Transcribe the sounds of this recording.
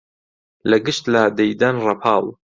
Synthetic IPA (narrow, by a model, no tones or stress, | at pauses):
lɐɡɨʃt̪lad̪ejd̪anrɑpʰɑːl